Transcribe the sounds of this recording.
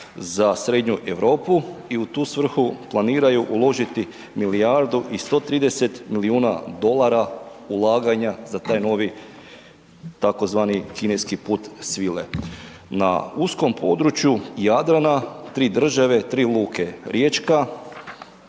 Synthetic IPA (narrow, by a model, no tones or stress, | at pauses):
zasɾe̞d̪ɲuʔe̞ʋɾo̞ːpuiut̪uːsʋr̩xuplˠaniːɾajuʔulˠo̞ʒit̪i | miliaɾd̪uʔist̪o̞ːt̪ɾiːd̪e̞se̞t̪miliuːna̰d̪o̞lˠaɾa | ulˠaːɡaɲazat̪aːjno̞ʋi | t̪ako̞zʋaːnikine̞skipuːt̪sʋilḛ | na̰usko̞mpʰo̞d̪ɾut͡ʃjujad̪ɾanat̪ɾiːd̪r̩ʒaʋe̞t̪ɾiːlˠuːkʰe̞ɾjeːt͡ʃka